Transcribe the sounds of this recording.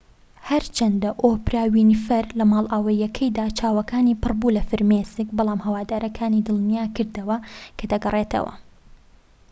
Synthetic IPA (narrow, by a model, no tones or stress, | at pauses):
hɐɾt͡ʃʰɐnd̪ɐʔoːpɾaːwiːniːfɐɾlɐmaːlʔaːwɐjɐkʰɐjd̪aːt͡ʃʰaːwɐkaːnipɨrbuːlɐfɨɾmesɨkbɑlˠaːmhɐwaːd̪aːɾɐkʰaːniːd̪ɨlˠnijaːkɨɾd̪ɐwɐkʰɐd̪ɐɡɐrˤet̪ʰɐ̰wɐ̰